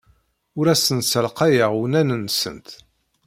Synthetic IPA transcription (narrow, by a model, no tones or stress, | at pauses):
ʊɾæsənsəlqɑjəʁwnænənsə̰nt̪